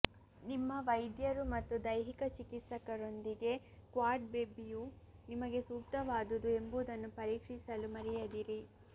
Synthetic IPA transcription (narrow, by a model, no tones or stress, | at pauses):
nimːɐʋɐjd̪jɐɾumɐt̪ːud̪ɐjɦikɐt͡ʃikit̪sɐkɐɾo̞nd̪iɡe̞ | kʋaːɾʈ̚beːbijunimɐɡe̞suːk̚t̪ɐʋaːd̪ud̪ue̞mbuːd̪ɐnːupɐɾiːkʂisɐlumɐɾɛjɐd̪iɾi